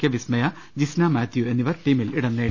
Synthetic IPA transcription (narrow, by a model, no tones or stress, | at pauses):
kʲjɐʋismɐjɐ | d͡ʑisnamaːt̪jue̞nːiʋɐɾʈːiːmiliɽɐnːeː